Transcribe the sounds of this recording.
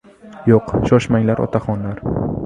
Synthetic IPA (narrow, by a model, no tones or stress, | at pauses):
joqʃɒʃmaŋlaɾɒ̰t̪ʰaχɒnlaɾ